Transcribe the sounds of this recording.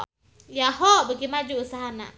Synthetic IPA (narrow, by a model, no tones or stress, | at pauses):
jaɦɔʔbəɡimad͡ʒuʔːsaɦana̰ʔ